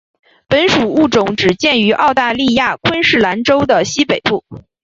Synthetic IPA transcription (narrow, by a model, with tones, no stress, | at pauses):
pə˧˥nʂu˨˩u˥˩ʈ͡ʂʊ˧˥ŋʈ͡ʂɻ̩˨˩t͡ɕjɛ˥˩ny˧˥ʔɑ˥˧ʊt̪a˥˧li˥˧ja˥˩kʰwə˥nʂɻ̩˥˩la˧˥nʈ͡ʂo˥ʊd̪ə˨ɕi˥pe˨˩ɪpu˥˩